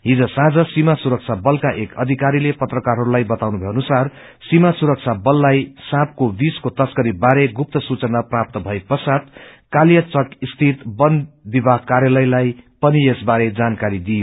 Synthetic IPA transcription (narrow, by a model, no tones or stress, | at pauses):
ɦid͡zʌsãd͡zʌsimasuɾʌk̚t͡sʰabʌlkaʔekʰʌd̪ʱikaɾilepʌt̪rʌkarɦʌɾulajbʌt̪awnubʱeʌnusar | simasuɾʌk̚t͡sʰabʌlːajsãp̚kobiskot̪ʌskʌɾibaɾeɡup̚t̪ʌsut͡sʌnaprap̚t̪ʌbʱʌepʌsat̪ | kaljʌt͡sʌk̪ist̪ʰit̪bʌnbibʱaɦkaɾjʌlʌjlajpʌniesbaɾed͡zankaɾid̪ijo